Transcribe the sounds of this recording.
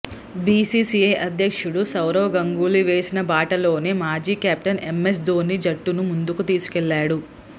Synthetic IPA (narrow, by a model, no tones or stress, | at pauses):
biːsiːsiɐjʔɐd̪ʱjɐkʂuɽusɐwɾoːɡɐŋɡuːliʋe̞ːsinɐbaːʈɐlo̞ːneːmaːd͡ʒiːkjaːp̚ʈɐnemːes̬d̪oːnid͡ʒɐʈːunumund̪ukut̪iːsu̥kɛlːaːɽu